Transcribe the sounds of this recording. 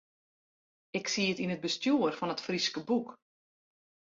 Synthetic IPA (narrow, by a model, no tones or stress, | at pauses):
ɪksiətinət̚bəstjuərfɔnətfriskəbuk